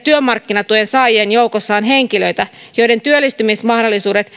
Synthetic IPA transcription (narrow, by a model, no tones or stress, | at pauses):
t̪yømɑrkːinɑt̪ujensɑːjenjoukosːɑːnɦeŋkiløjt̪æ | jojde̞nt̪yølːist̪ymismɑhdolːisuːde̞t̪